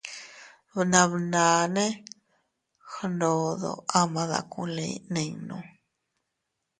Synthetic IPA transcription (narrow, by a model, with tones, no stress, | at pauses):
βnã˧βnã˨nẽ˦ | xa˧ndo˧ðo̰˧a˦mã˧ða̰˨kũ˧lĩ˧˦˧nĩ˧nũ˧